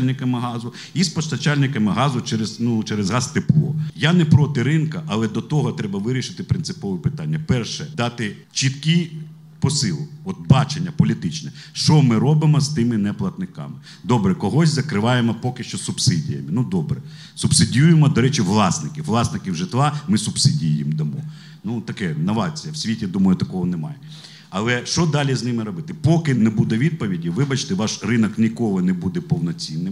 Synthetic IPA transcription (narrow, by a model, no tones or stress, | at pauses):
lʲnɪkɐmɪɦɑzʊ | ispɔst̪ɐt͡ʃalʲnɪkɐmɪɦɑzʊt͡ʃɛɾeznut͡ʃɛɾezɦɑst̪ɪplˠɔ̰janɛpɾɔt̪ɪɾɪnkɐʔɐlˠɛd̪ɔt̪ɔɦɔt̪ɾɛbɐʋɪɾʲiʃɪt̪ɪpɾɪnsɪ̥pɔʋɪpɪt̪ɑnʲːɐpɛrʃɛd̪ɑt̪ɪ | t͡ʃit̪kʲi | pɔsɪlˠʊɔt̪̚bɑt͡ʃenʲːɐpɔlʲit̪ɪt͡ʃnɛʃt͡ʃɔmɪɾɔbɪmɔst̪ɪmɪnɛplˠɐt̪nɪkɑ̰mɪ | d̪ɔbɾɛkɔɦɔsʲzɐkɾɪʋɑjemɔpɔkɪʃt͡ʃɔsʊbsɪdʲijɐ̰mɪnud̪ɔbɾɛ | sʊbsɪdʲjujemɔd̪ɔɾɛt͡ʃɪʋlˠɑsnɪkʲɪwːlˠɑsnɪkʲiwʒɪt̪ʋˠɑmɪsʊb̥sɪdʲijɪmd̪ɐmɔ | nut̪ɐkɛnɐʋɑt͡sʲijɐwsʲʋʲitʲid̪umɐjʊt̪ɐkɔɦɔnɛmɑ̰jɛ | ɐlˠɛʃt͡ʃɔd̪ɑlʲiznɪmɪɾɔbɪt̪ɪpɔkɪnɛbud̪ɛʋʲid̪̚pɔʋʲidʲiʋɪbɐt͡ʃt̪ɛʋɑʃrɪnɐknʲikɔlˠɪnɛbud̪ɛpɔwnɔt͡sʲinːɪm